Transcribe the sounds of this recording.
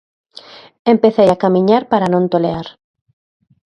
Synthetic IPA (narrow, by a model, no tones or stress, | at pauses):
empeθejakamĩɲaɾpaɾanõnt̪oleaɾ